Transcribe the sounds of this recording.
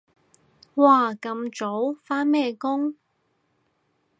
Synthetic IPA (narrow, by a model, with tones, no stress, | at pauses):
waː˧kɐ˧mt͡so˨˥wfaː˥nmɛː˥˧kʊ˥ŋ